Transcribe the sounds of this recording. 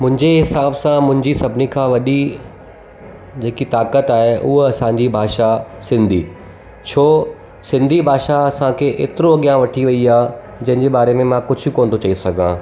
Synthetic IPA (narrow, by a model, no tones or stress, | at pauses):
mʊ̃ɦɪ̃ɲd͡ʑeɦɪsaːbsãmʊ̃ɦɪ̃ɲd͡ʑisɐbʱɪnikʰãːʋɐɗi | d͡ʑeːkit̪aːkət̪aːɦeʔʊɦoɐsãɲd͡ʑibʱaːʃasɪ̃nd̪ʱiː | t͡ɕʰoː | sɪ̃nd̪ʱibʱaːʃaɐsãkʰeːʔḛːt̪ɪɾoɐɠjãːʋɐʈʰiʋɐiaː | d͡ʑɐ̃ɦɪ̃ɲd͡ʑeɓaːɾemẽmãkʊd͡ʑʱʊkoːnt̪ʰot͡ɕɐisɐɡʱã̰ː